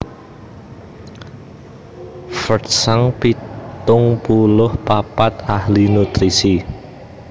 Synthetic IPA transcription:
fətsaŋpit̪ʊŋpulʊhpapat̪ahlinut̪ɾisi

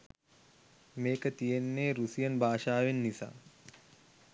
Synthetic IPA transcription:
meːkət̪ijenːeːɾusijɐnbʱaːʃaːʋenːisa̰ː

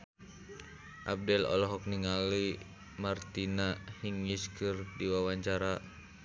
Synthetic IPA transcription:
ʔab̚dɛlɔ̰lɔɦɔk̚niŋali | mart̪inahiŋːiskɨrdiwawaɲt͡ʃaɾa

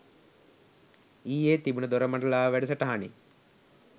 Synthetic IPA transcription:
iːeːt̪ibunəd̪oɾəmaɳɖɐlaːʋæɖɐs̬əʈɐɦanḭ

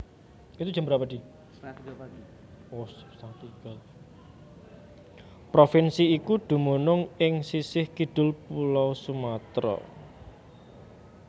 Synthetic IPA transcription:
it̪ud̥d͡ʒʒ̥ə̤mbɾapad̥̪i | ossaŋt̪iɡ̥al | pɾofinsiːkud̪̥ṳmonʊŋɪŋsisɪhkiɖ̪̥ʊ̤lpulɔwsumat̪ɾɔ̰

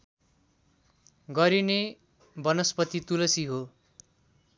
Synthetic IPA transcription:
ɡʌɾine | bʌnʌspʌt̪it̪ulʌsiɦo

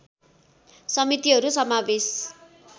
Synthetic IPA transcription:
sʌmit̪iɦʌɾusʌmabes

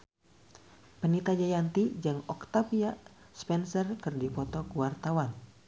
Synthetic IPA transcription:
pənit̪ad͡ʒajant̪id͡ʒɨŋɔkt̪apia | spɛnsərkɨrdifɔt̪ɔkəwart̪awan

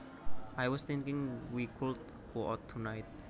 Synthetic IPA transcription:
ʔajwɔst̪ɪ̃ŋkɪ̃ŋwikʰʊd̪̚ | ɡ̥oʔɔt̪ʰːunajt̪̚

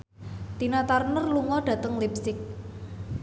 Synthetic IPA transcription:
t̪inat̪arnərluŋɔɖ̥ä̤t̪əŋlipsɪk̚

